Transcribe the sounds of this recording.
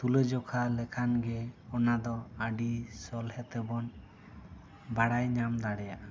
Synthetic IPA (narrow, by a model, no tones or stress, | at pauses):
t̪uləd͡ʒɔkʰalɛkʰanɡɛɔnad̪ɔaɖisɔlhɛt̪ɛbɔn | baɽajɲamd̪aɽɛjaʔ